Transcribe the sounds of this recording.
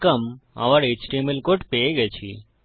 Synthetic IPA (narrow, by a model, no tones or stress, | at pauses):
kəma̰ʋaɾet͡ʃʈiemilkoʈpejeɡɛt͡ɕʰḭ